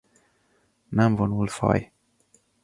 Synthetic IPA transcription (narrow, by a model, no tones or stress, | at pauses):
namvonulfɑ̰j